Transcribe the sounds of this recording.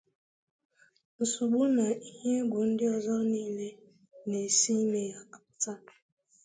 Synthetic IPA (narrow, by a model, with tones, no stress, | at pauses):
n̩˨su˨ɓu˦na˨i˦hi˦e˦bo˨˦n̩˦di˦ɔ˦zɔ˦ni˦˨lɛ˦ | ne˨si˦ne˨ja˨a˨ta˦tu̥˨